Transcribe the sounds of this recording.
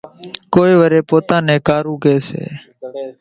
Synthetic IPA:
koːiːʋəɾeːpoːt̪ãːneːkaːɾũːkeːsḛː

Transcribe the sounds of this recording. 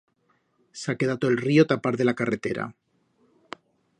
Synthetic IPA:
sakeðat̪oelriot̪apaɾðe̞lakare̞t̪e̞ɾa̰

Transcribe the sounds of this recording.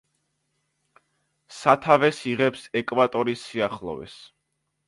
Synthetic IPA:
sat̪ʰavɛsiʁɛpsɛkʼvat̪ʼɔɾisːiaχlˠɔ̰vɛ̰s

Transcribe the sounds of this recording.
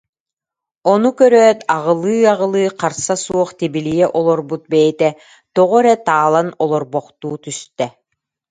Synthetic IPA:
ɔnukœɾœt̪aʁɯlˠɯːaʁɯlˠɯːqaɾsasuɔχt̪ibilijɛʔɔlˠɔɾbut̪̚bɛjit̪ɛ | t̪ɔʁɔɾɛt̪aːlˠanɔlˠɔɾbɔqt̪uːt̪yst̪ɛ

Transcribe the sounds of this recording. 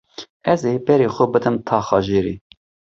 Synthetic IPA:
ɛzeːbɛɾeːxʊbɨd̪ɨmt̪ʰɑːxɑːʒeːɾḭː

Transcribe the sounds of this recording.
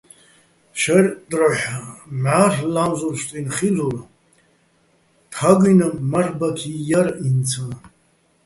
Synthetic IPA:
ʃardʼraħmʕarlamzʷurʃtʼinχid͡zur | tʰaɡɨjnamarbakʲʰijarint͡sʰɨ

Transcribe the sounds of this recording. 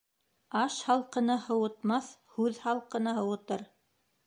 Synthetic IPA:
ɑʃhɑlˠqɤ̆nɤhɤ̆wɤ̆t̪mɑθhʉðhɑlˠqɤ̆nɤɦɤ̆wɤ̆t̪ɤɾ

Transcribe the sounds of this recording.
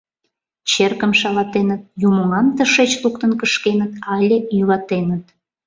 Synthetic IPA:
t͡ɕerkəmʃɑlɑt̪enət̪̚jumoŋɑmt̪əʃet͡ɕluk̚t̪ənkəʃkenət̪ɑlʲejylɑt̪enət̪̚

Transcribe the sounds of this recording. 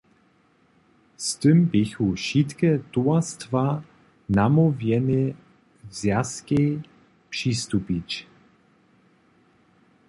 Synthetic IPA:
st̪ɨmbɪxuʃit̪kɛt̪uast̪va | namɔvjɛnɪ | zjaske | pʂist̪upit͡ʃ

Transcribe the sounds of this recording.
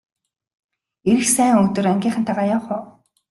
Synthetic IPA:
eɾɘ̆xsæːŋɵkt̪ɵ̆ræŋɡʲiːɴχə̆nt̪ʰaʁaːjawχʊː

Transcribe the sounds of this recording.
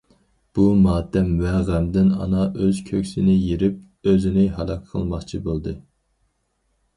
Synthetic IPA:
b̥umɑːd̪ɛmvɛʁæmd̪ɪnɑ̰nɑʔøz̥kʲʰøkʲsɪnɪjeɾɪp̚ | øzɪnɪɦɑlˠɑkʲʰqʰə̰lˠmɑχt͡ʃʰibolˠd̪ɨ

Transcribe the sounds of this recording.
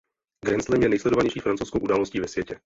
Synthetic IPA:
ɡɾɛnslɛmjɛnɛjslɛdovaɲɛjʃiːfɾant͡sowskowʔudaːlosciːvɛsvjɛcɛ

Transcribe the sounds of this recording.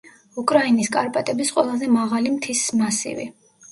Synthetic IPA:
ukʼɾainiskʼaɾpʼat̪ʼɛbisqʼwɛlˠazɛmaʁalimt̪ʰismasḭvḭ

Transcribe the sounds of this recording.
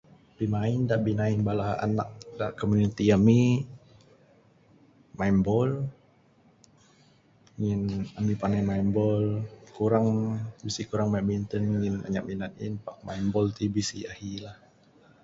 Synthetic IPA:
b̥imaindaʔbinainbalaa̰na̰k̚dakomunit̪iami | maimbɔl | ŋinamipanajmaimbɔlkuɾaŋbisikuɾaŋmaʔbint̪ənŋina̰ɲak̚minat̪̚ḭnpaʔmaimbɔlt̪ibisiahilah

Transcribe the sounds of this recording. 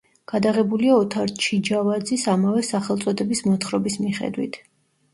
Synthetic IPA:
ɡ̥ad̪aʁɛbuliaɔt̪ʰaɾt͡ʃʰid͡ʒavad̪zisamavɛsaχɛlˠt̪sʼɔd̪ɛbismɔt̪χɾɔbismiχɛ̰d̪wḭt̪ʰ

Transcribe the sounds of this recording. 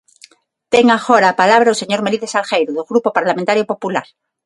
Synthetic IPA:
t̪eŋaxoɾaːpalaβɾauseɲoɾmeliðesalxejɾoðoɣɾupopaɾlamẽnt̪aɾjopo̞pulaɾ

